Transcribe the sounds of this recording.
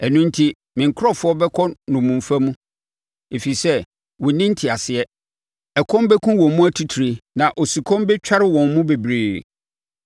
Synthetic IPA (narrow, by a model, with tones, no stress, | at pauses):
ɛ˨nũ˦ntʰi˦ | mɪ̃˨ŋ̩˨kʰɾɔ˦˨fʊ˦ɔ˦bɛ˦kʰɔ˦nʊ̃˨mũ˨m˨fæ˦mũ˦ | e˨fi˨sɛ˦ | wɔ̃˨nɪ̃˦n˦tʰɪ˨a˨sɪ˨ɛ˦ | ɛ˨kʰɔ̃˦mbɛ˦kʰũ˦wɔ̃˨mmũ˦æ˦˨tʰi˦tʰɾe˨nã˨ʔo˨si˨kʰɔ̃˦mbɛ˦t͡ɕᶣa˦ɾɪ˦wɔ̃˨nmũ˦be˨bɾeː˨